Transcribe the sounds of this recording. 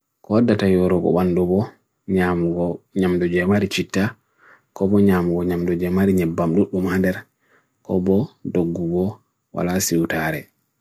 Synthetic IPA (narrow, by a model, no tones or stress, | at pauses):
kɔdatajɔɾɔɡɔ̰ɓandɔbɔ | ɲamuɡɔɲamdɔd͡ʒɛmaɾit͡ʃitːa | kɔbɔɲamuɡɔɲamdɔd͡ʒɛmaɾiɲɛbːamɗuɗumandɛɾ | kɔ̰bɔdoɡːuɡɔ | wa̰lasiwtaɾɛ